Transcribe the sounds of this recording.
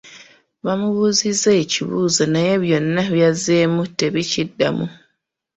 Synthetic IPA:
βamuβuzizeːciβṵːzonaje̞βjo̞nːaβjazemute̞βicidːa̰mṵ

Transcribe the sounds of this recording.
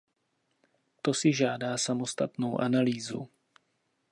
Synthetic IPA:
t̪o̞sɪʒaːdaːsamo̞st̪at̪no̞wʔanaliːzṵ

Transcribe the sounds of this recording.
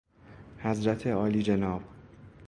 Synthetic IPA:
hæzɾæt̪ʰeɒːliːd͡ʒenɒːb̥

